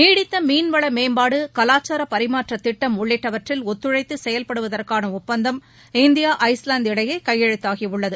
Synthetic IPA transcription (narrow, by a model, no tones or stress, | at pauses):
niːɽɪt̪ːɐmiːnʋɐɭɐmeːmbaːɽɯkɐlaːt͡ʃːaːɾɐpɐɾɪmaːʈrɐt̪ːɪʈːɐmʊɭːɪʈːɐʋɐʈrɪlɔt̪ːɯɻɐɪt̪ːɯsɛjɐlpɐɽɯʋɐðɐrkaːnɐʊppːɐnd̪ɐm | ɪnd̪ɪjaːʔɐɪslaːnd̪ɪɽɐjɐɪkɐjːɛɻɯt̪ːaːɣiʊɭːɐðɯ